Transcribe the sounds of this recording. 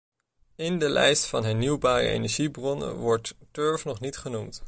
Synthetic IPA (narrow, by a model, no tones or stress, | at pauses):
ɪndəlɛ̰jstfɑnɦɛɹniwbaːrə̰ḛjnɛɹʒibrɔnə̰nʋɔɹtːøɹfnɔχnitχənumt